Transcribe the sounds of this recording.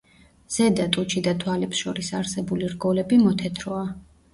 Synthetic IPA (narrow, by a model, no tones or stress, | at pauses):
z̥ɛd̪at̪ʼut͡ʃʰid̪at̪ʰwalɛpsʃɔɾisaɾsɛbuliɾɡɔlɛbimɔt̪ʰɛt̪ʰɾɔa